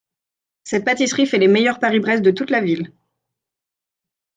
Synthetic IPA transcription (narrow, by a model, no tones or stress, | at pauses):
sɛt̪̚pat̪isχifɛlemejœʁpaʁibʁɛsd̪ət̪ut̪lavil